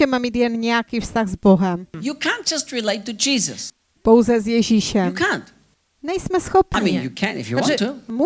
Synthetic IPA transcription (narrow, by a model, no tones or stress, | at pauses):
ɛmamʲit̪jɛnɲɛjakʲifst̪aɣzbɔɦɛmjukʰæ̃nt̚d̥d͡ʒ̥ʌstɹileɪtːud͡ʒizə̰s | pɔwzɛzjɛʑiɕɛkʰæ̃nt | ɲɛjsmɛsxɔpamĩinjukʰæ̰̃nɪ̰fjuãtumu